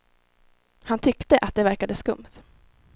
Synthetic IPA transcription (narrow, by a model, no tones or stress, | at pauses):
hant̪ʰʏkt̪əʔat̪̚d̪ɛvæɾkad̪əskɵ̰mt̪